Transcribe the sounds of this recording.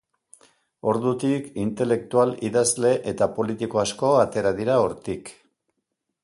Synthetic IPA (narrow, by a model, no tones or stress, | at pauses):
o̞ɾðut̪ikint̪e̞le̞k̚t̪ualiðazle̞ʔe̞t̪apo̞lit̪iko̞asko̞at̪e̞ɾaðiɾao̞ɾt̪ik